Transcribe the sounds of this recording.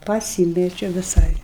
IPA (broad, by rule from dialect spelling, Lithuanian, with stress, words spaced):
pɐˈsʲiːmʲɛt͡ʃʲoː ʋʲɪˈsɐɪ